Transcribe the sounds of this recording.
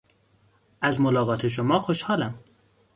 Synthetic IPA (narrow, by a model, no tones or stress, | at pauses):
ʔæzmolɒːɣɒːt̪ʰeʃ̬omɒːxoʃhɒːlæm